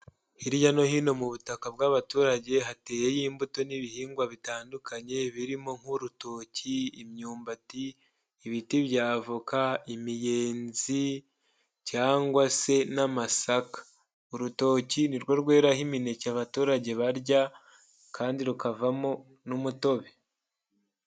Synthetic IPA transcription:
hiɾjano̞hino̞muβutakaβɡaβatuːɾaɟe̞ɦate̞ːjejiːmbuto̞niβihiːŋɡwaβitaːndukaɲe̞βiɾimo̞ŋ̥huɾuto̞ːciimɲuːmbatiː | βitiβjaːvukaimije̞ːnzi | caːŋɡwase̞namasakḁ | uɾuto̞ːciniɾɡwo̞ɾɡwe̞ːɾahimine̞caβatuːɾaɟe̞βaɾɟa | kʰaːndiɾukavamo | numuto̞βe

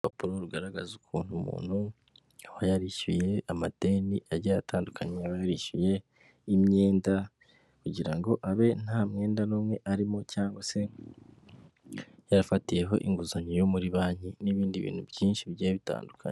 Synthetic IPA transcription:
papuɾoɾuɡaɾaɡazukʰuːn̥humṵːn̥hu | aβajaɾiʃuje̞amateniʔaɾɟajataːndukʰaɲeaβajaɾiʃuje̞ | imɲe̞ːnda | kuɟiɾaŋɡo̞ʔaβe̞n̥haːmŋe̞ːndanoːmŋwe̞ʔaɾimo̞caːŋɡwase̞ | jaɾafatije̞ɦo̞̰ʔiŋɡuzaɲijomuɾiβaːɲiniβiːndiβḭːn̥hubjiːnʃiβjajaβita̰ːndukʰa̰ɲe

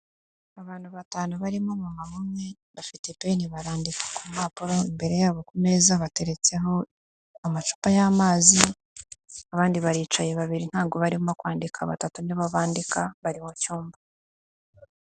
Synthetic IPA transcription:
aβaːn̥huβataːnuβaɾimomumamumŋe̞ | βafite̞pe̞niβaɾaːndikḁkumaːpuɾo̞imbe̞ɾe̞jaːβo̞kumezaβate̞ɾe̞t͡se̞ɦo̞ | amat͡ʃu̥pajamaːzi | aβaːndiβaɾiːt͡ʃajeβaβiɾin̥haːŋɡoβaɾiβomakwaːndikʰaβa̰tatuniβaβaːndikaβaɾimocuːmba

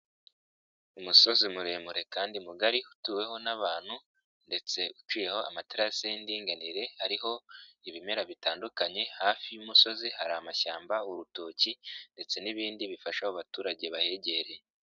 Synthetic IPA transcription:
umuso̞zimuɾe̞ːmuɾe̞kaːndimuɡaɾihutuːwe̞ɦo̞naβaːn̥hu | nde̞t͡se̞ut͡ʃiːje̞ho̞a̰matiɾaseindiːŋɡaniɾe̞haɾiɦo̞iβime̞ɾaβitaːndukaɲe̞haːfijumuso̞zihaɾaːmaçaːmbauɾuto̞ːcinde̞t͡se̞niβiːndiβifaʃahuβatuːɾaɟe̞βahe̞ɟe̞ɾe̞

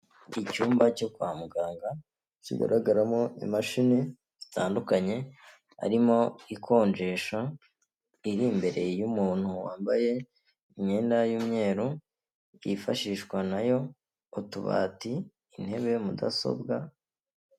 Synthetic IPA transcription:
icuːmbaco̞kwaːmuɡaːŋɡa | cḭɡa̰ɾaɡaɾamo̞ḭmaʃine | zitaːndukaɲe̞ | a̰ɾimo̞ikʰo̞ːɲd͡ʒe̞ːʃa | iɾimbe̞ɾe̞jumuːn̥huwaːmbaje̞ | iɲe̞ːndajuːmɲe̞ːɾu | jifaʃiːʃkwanajo̞ | utuβa̰ːtiː | n̥he̞βe̞muda̰so̞̰bɡa

